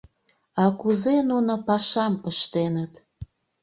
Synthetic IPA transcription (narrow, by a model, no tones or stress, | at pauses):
ɑkuzenunopɑʃɑməʃt̪enət̪